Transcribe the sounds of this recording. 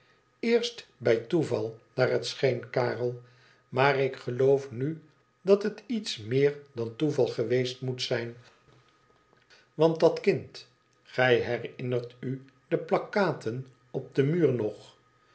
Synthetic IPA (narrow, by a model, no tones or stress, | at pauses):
ɪːɹstbɛjtuvɑlˠnaːrɦətsχejnkaːrəlˠ | maːrɪkχəlowfny | dɑtətitsmɪːɹdɑntuvɑlˠχəʋejstmutsɛjn | ʋɑntdɑtkɪnt | χɛjɦɛrɪnərty | dəplɑkaːtʰən | ɔb̚dəmyːɹnɔχ